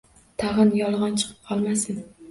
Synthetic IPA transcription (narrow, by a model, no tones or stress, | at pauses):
t̪ʰaʁɨnjɒlˠʁɒnt͡ʃʰɨ̥qʰɨ̥p̚qʰɒlˠmasɪn